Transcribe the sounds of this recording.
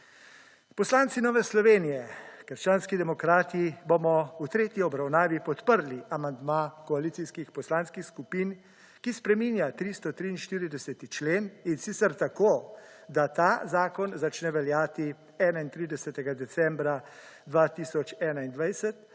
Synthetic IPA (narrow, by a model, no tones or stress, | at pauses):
pɔslaːnt̪sinɔːʋɛslɔʋeːnijɛkəɾʃt͡ʃaːnskid̪ɛmɔkɾaːt̪ibomɔut̪ɾeːt̪jiɔbɾawnaːʋipɔt̪pəɾliʔamand̪makɔaliːt̪siskixpɔslaːnskixskupin | kispɾɛmiːnjat̪ɾist̪ɔt̪ɾiinʃt̪iːɾid̪ɛsɛt̪it͡ʃleːninsiːt̪sɛɾt̪ako | d̪at̪azaːkɔnzat͡ʃnɛʋɛljaːt̪i | ɛːnaint̪ɾiːd̪ɛsɛt̪ɛɡad̪ɛsɛmbɾa | d̪ʋat̪isɔt͡ʃɛːnaind̪ʋajsɛt̪